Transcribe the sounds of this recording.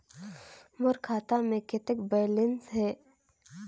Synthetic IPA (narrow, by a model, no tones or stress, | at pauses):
mʊɾkʰaːt̪amẽkɪt̪ɪkbeːlɪnsɦɛː